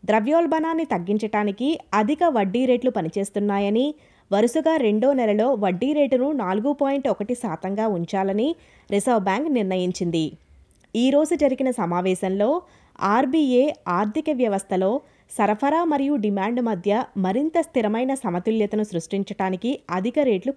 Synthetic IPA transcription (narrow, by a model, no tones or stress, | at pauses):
d̪ɾɐʋjoːlbɐnaːnːit̪ɐɡːiɲt͡ʃɐʈaːnikiɐd̪ʱikɐʋɐɖːiːɾeːʈlupɐnit͡ʃe̞ːst̪unːaːjɐni | ʋɐɾusuɡaːɾe̞ɳɖoːnɛlɐlo̞ːʋɐɖːiːɾe̞ːʈnunaːluɡupoːjiɳʈɔkɐʈisaːt̪ɐŋɡaːuɲt͡ʃaːlɐni | ɾisɐʋbaːŋkniɾnɐjiɲt͡ʃind̪i | iːɾo̞ːd͡ʒud͡ʒɐɾiɡinɐsɐmaːʋɛːʃɐnlo̞ː | aːɾbiːeːaːɾt̪ʰikɐʋjɐʋɐst̪ʰɐlo̞ː | sɐɾɐpʰɐɾaːmɐɾijuɖimaːɳɖmɐd̪ʱjɐmɐɾint̪ɐst̪iɾɐmɐjnɐsɐmɐt̪uljɐt̪ɐnusɾuʂʈiɲt͡ʃɐɽaːnikiɐd̪ʱikɐɾe̞ːʈlu